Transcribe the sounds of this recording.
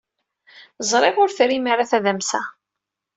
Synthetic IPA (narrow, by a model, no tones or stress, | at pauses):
zˤɾˤeʁʊɾfɾimaɾaθæðæmsæ̰